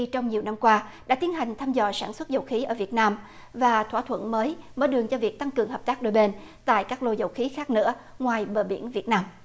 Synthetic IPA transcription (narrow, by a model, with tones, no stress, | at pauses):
t͡ɕɔ˧wŋ͡mɲi˨˩əwna˧mkwaː˧ɗa̰ː˧˥t̪i˨˦ənɦa˨˩jŋ̟t̪ʰaː˧mzɔ̰˧˩saː˧˩nswə˦˥t̚zə˨˩wxi˨˦ʔəː˧˩vi˨˩ət̚naː˧m | vaː˨˩t̪ʰwaː˧˩t̪ʰwə̰˧˩nməː˨˦jməː˧˦jɗɨ˨˩əŋt͡ɕɔ˧vi˨˩ək̚t̪a˧ŋkɨ˨˩əŋɦəː˨˩p̪̚aː˦˥k̚ɗo˧˩jɓe˧n | t̪a̰ː˧˨jkaː˦˥k̚lo˧zə˨˩wxi˨˦xaː˦˥k̚nɨ̰˧˥ə | ŋwaː˨˩jɓəː˨˩ɓi˧˩ənvi˨˩ət̚naː˧m